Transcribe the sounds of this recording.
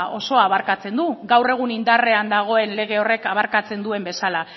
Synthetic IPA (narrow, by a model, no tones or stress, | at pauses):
ʔo̞so̞aβaɾkat͡se̞nd̪uɡawre̞ɣ̞unind̪are̞and̪aɣ̞o̞e̞nle̞ɣ̞e̞o̞re̞kaβ̞aɾkat͡se̞nd̪ue̞mbe̞sala